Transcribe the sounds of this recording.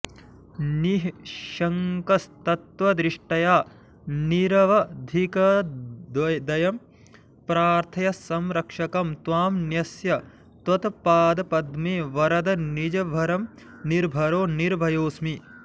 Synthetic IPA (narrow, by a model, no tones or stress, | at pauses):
niɦʃɐŋkɐst̪ɐt̪ʋɐd̪ɾiʂʈɐjaː | niɾɐʋɐd̪ʱikɐd̪ɐd̪ɐjɐm | pɾaːɾt̪ʰɐjɐsɐmɾɐkʂɐkɐmt̪ʋaːmnjɐsjɐ | t̪ɐt̪ɐpaːd̪ɐpɐd̪meːʋɐɾɐd̪ɐnid͡ʒɐbʱɐɾɐm | niɾbʱɐɾoːniɾbʱɐjoːsmi